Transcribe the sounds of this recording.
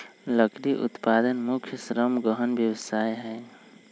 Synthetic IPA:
ləkɾiʔṵt̪pad̪ənmukʰjəsɾəmɡəɦənbjəwəsajɦɛ

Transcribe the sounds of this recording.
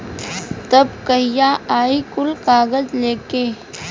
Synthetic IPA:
t̪ɐbkəɦɪjaːaːikʊlkaːɣəzleːkeː

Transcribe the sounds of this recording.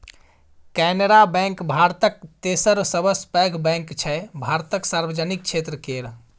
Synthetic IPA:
kɛneɾabɛ̃ŋkbʱaɾt̪ək̚t̪esəɾsəbəspɛɡʱbɛ̃ŋkt͡ʃʰɛbʱaɾt̪əksaɾbəd͡ʒanik̚t͡ʃʰet̪ɾəkeɾ

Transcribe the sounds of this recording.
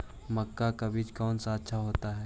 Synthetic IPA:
mɐkːakabiːt͡ʃkɔːnsaətːʃʰaɦoːt̪aɦɛː

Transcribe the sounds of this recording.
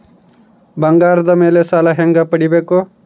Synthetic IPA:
bʌŋɡaɾd̪ʌmelesalaɦeŋɡapəɽibeko

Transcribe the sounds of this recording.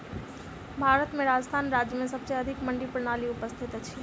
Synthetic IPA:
bʱaɾət̪meɾad͡ʒəst̪ʰanɾad͡ʒjəmesəbseəd̪ʱikməɳɖipɾñaliupəst̪ʰit̪t͡ʃʰi

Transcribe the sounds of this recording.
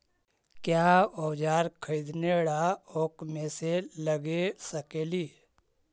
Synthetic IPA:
kjaːɔːd͡ʒaːɾkʰəid̪neɽaoːkmẽseləɡesəkeːliː

